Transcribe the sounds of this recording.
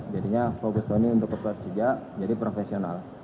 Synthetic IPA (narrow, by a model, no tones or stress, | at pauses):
d͡ʒadiɲafokust̪oniunt̪ʊkːəpɛrsiɡaʔ | d͡ʒadipɾofesiona̰l